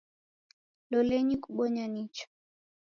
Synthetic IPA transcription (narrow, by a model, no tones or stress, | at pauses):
lɔlɛɲikuɓɔɲanit͡ʃɔ̥